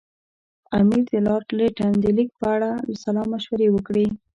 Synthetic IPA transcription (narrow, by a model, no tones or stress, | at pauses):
amizəlɑʈleʈand̪əlik̚pəaɽaləsalɑmaʃwaɾewəkɽi